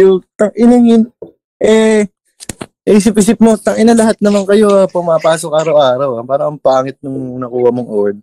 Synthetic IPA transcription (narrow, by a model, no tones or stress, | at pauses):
jʊt̪ɐŋʔɪnɐŋɪn | ʔɛ | ʔisɪp̚ʔiːsɪp̚mo̞t̪ɐŋʔɪnɐlɐɦat̪̚nɐmankɐjo̞ʔapʊmaːpaːsokʔaːɾɐwʔaːɾɐwɐpaːɾɐŋɐŋpaːŋɪt̪̚nʊŋnɐkuːhɐmoŋʔod̪̚